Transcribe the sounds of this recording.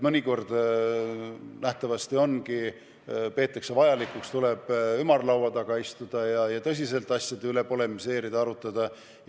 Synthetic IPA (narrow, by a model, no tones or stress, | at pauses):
mɤnʲiko̞rd̪̥ | næht̪ɑvɑst̪io̞nki | pe̞ːt̪ːˑɑksevɑjɑlikːˑukst̪ule̞b̥ymɑrlɑwɑd̪ɑɡ̥ɑist̪ud̪̥ɑjɑjɑt̪ɤs̬ʲis̬e̞lt̪ːˑɑsʲjɑd̪eyle̞po̞le̞mise̞ːɾid̪ɑɾut̪ːˑɑd̪̥ɑ